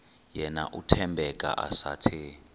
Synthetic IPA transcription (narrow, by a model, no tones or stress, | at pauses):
jɛna̰ʔutʰɛmbʱɛkʼa̰ʔasatʰi